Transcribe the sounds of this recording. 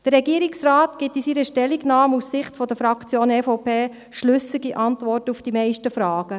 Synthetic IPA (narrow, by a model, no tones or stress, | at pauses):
d̥əɾːɛɡiəɾiksraːt̪ɡ̥ɪtisiɾəʃtɛlːiɡnɑːmussɪχtfɔd̪əfɾɑkt͡sjoːnɛfoʊpeː | ʃlʏsiɡiʔɑntʋɔrtufd̥imɛɪʃtəfɾɑːɡ̥ə